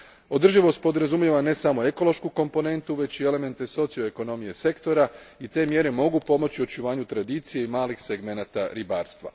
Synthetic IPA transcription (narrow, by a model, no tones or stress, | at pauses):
o̞d̪r̩ʒiʋo̞st̪̚po̞d̪ɾazumjeʋane̞samo̞e̞ko̞lo̞ʃkuko̞mpo̞ne̞nt̪uʋe̞t͡ɕie̞le̞me̞nt̪e̞so̞t̪sijo̞eko̞no̞mije̞se̞kt̪o̞ɾait̪e̞ːmje̞ɾe̞mo̞ɡupo̞mo̞t͡ɕio̞t͡ʃuʋaːɲut̪ɾad̪iːt̪sije̞imaːlixse̞ɡme̞nat̪aɾibaːɾst̪ʋa̰